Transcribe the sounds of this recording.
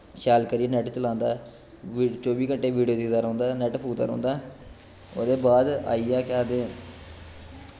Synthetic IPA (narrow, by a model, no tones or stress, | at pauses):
ʃaːlkəɾieːnɛːʈt͡ʃəlãːnd̪a̰ː | ʋt͡ʃoːbiːkəɳʈeːʋiːɖijoːd̪ɪkd̪aːɾõːnd̪aːnɛːʈpʰuːt̪aːɾõ̰ːnd̪aː | oːd̪eːbaːd̪a̰ːijãːkaːd̪ẽː